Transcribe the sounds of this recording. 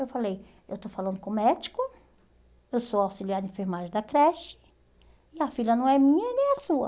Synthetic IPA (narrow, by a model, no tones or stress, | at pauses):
ewfalej | ewt̪ofalɐ̃nd̪ʊkõmɛd͡ʒi̥kʊ | ewsowawsiliaɾd̪ɪẽfeɾmaʒẽd̪ɐkɾɛʃɪ̥ | ɪɐfilʲɐnɐ̃w̃ɛmĩɲɐɛnẽj̃ɐsuɐ̰